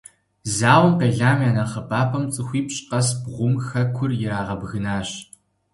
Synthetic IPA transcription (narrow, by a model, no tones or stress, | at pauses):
zaːwɐmqeːɮaːmjaːnɐχɐpʰaːpʰɐmt͡sʼɨxʷiːpɕʼqɐsbʁʷʊmxɐkʷʰʊrjɪɾaːʁɐbɣɨnaːɕ